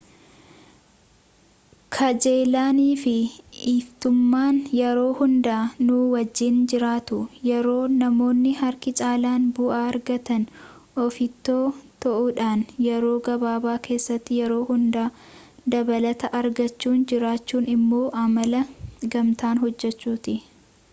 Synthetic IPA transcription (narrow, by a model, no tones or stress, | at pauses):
kʰɐd͡ʒe̞ːlaːniːfɪiːft̪ʊmːaːnjɛɾo̞ːhʊnd̪aːnuːwɐd͡ʒːɪnd͡ʒɪɾaːt̪ʊjɛɾo̞ːnɐmo̞ːnːɪhɐɾkɪt͡ʃʼaːlaːnbʊʔaːɐɾɡɐt̪ɐn | ʔɔfɪt̪ːoːt̪ɐʔuᶑaːnjɛɾo̞ːɡɐbaːbaːke̞ːsːɐt̪ːɪjɛɾo̞ːhʊnd̪aːd̪ɐbɐlɐt̪ɐʔɐɾɡɐt͡ʃːuːnd͡ʒɪɾaːt͡ʃːuːnɪmːo̞ːʔɐmɐlɐɡɐmt̪aːnɦɔd͡ʒːɛt͡ʃːuːt̪ɪ